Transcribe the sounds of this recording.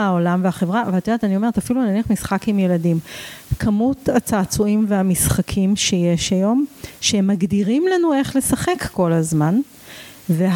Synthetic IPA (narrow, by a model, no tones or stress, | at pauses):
aolamveaχe̞vʁaveat̪idat̪anio̞me̞etafilunaniɐχmisχakimjeladimkʰamutat͡saːt͡suimveamisχakʰimʃeje̞ʃajo̞mʃemaɡdiʁimlanue̞χle̞saχe̞kːo̞lazman | ve